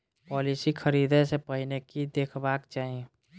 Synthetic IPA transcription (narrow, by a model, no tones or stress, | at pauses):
pɔːlisikʰəɾiːd̪ẽsepəɦinekid̪eːkʰbaːkt͡ʃaːɦie